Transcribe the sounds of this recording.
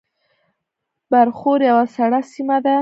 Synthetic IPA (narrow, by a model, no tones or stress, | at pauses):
baɾxoɾjawasaɽasimad̪a